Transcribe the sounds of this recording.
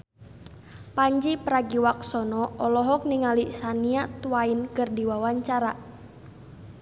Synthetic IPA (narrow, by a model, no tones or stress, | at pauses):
paɲd͡ʒipəɾaɡiwak̚sɔnɔɔlɔɦɔk̚niŋaliʔsaniaʔt̪uwainkɨrdiwawaɲt͡ʃaɾa